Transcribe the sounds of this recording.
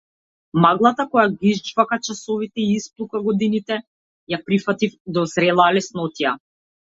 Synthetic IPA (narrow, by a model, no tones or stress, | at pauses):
maɡlˠat̪akɔjaɡiizd͡ʒvakat͡ʃasɔvit̪ɛiisplˠukaɡɔd̪init̪ɛ | japɾifat̪ifd̪ɔzɾɛlˠalɛsnɔt̪ija